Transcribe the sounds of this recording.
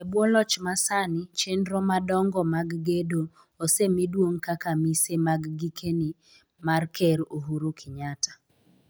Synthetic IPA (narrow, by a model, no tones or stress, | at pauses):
ebwɔlɔt͡ʃmasanɪt͡ʃendɾɔmadɔŋɡɔmaɡɡedo | osemidwoŋkakamisemaɡɡikʰenɪ | markʰɛɾoɦuɾokʰɪɲatḁ